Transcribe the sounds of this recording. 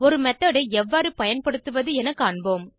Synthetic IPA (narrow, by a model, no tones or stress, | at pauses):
ɔɾɯmɛt̪ːɐːɽɐɪɛʋːaːɾɯpɐjɐnpɐɽɯt̪ːɯʋɐðɯɛnɐkːɐɳboːm